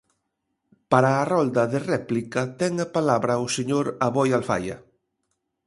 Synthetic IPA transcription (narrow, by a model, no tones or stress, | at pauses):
paɾaːrɔld̪ɐðerɛplikɐt̪ɛŋɐpalaβɾɐʊseɲoɾaβɔjalfa̰jɐ̰